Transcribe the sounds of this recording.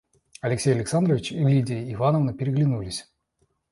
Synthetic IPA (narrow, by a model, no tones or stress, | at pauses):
ɐlʲɪksʲejəlʲɪksand̪rəvʲɪt͡ɕlʲidʲɪəːvanəvnəpʲɪɾʲɪɡlʲɪnulʲɪsʲ